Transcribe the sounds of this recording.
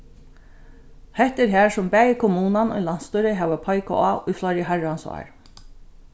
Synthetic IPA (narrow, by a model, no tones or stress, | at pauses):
hɛht̪ɛɾɦæːɹsʊmbæːjɪkʰɔmuːnanʊ̰jlan̥st̪uɾɪɦɛːʋapʰɔjkʊ̰aʊjflɔɾjɪɦaɹansɔ̰ɹ